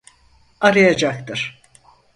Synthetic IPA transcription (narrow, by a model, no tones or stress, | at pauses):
aɾajad͡ʒak̚t̪ʰɯɾ̥